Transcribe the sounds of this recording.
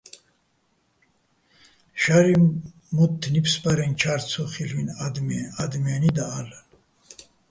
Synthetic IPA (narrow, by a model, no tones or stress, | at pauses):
ʃaɾi | mut̪ʰːnipsbaɾɛnt͡ʃʰaɾt͡sʰɔχilvind̪ad̪mijanid̪aːlɛn